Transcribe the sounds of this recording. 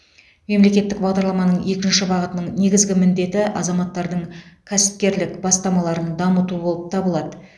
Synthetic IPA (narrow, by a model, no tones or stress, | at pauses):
me̞mle̞kʲe̞t̪ːɪk̚bɑʁd̪ɑɾlˠɑmɑnəɴje̞kʲɪnʃɪbɑʁət̪ənəɴne̞ɡʲɪzɡʲɪmɪnd̪e̞t̪ɪʔɑ̰zɑmɑt̪ːɑɾd̪əɴkʲʰæsɪ̥p̚kʲe̞ɾlɪkbɑst̪ɑmɑlˠɑɾənd̪ɑmət̪ubo̞lˠəp̚t̪ʰɑbəlˠɑd̪ə